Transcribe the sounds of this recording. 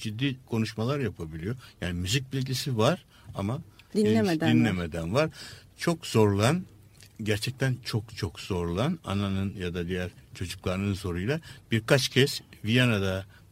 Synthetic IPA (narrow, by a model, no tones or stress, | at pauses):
d͡ʒid̪ːiːkʰo̞nuʃmalˠaɾjapʰabilʲijo̞jaːnimyzic̚ʲbilʲɟisivaɾ̥ | amad̪id̪dinlʲemed̪ænvaɾ̥t͡ʃʰo̞kz̥o̞ɾulˠan | ɟæɾt͡ʃʰɛc̚t̪ʰænt͡ʃʰo̞kt͡ʃʰokz̥o̞ɾulˠana̰nanɯnjad̪ad̪ijæɾt͡ʃʰo̞d͡ʒuklˠaɾɯnɯnzo̞ɾujlˠab̥iɾkʰat͡ʃcʰɛsvijanad̪a